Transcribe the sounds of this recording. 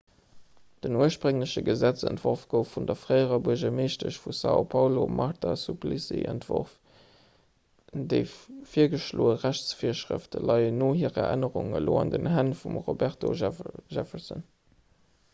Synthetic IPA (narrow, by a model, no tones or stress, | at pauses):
d̥ənuəʃpʁəŋləɕəɡəzæt͡sæ̰ntv̥oʁfɡ̥əʊfːundɐfʁəɪəʁɐbuəʑɐmeːʃtəɕfusɑ̰o̰pʰɑʊlomʔɑʁtʰasuplisḭʔə̰ntv̥oʁf | deɪffiːɐɡəʃloːəʁæɕt͡sfiːɐʃʁə̰ftəlɑɪənoːhiːʁɐʔæ̰nəʁuŋəloːɑndənhænfumʁobæʁtoʒɛfəzə̰n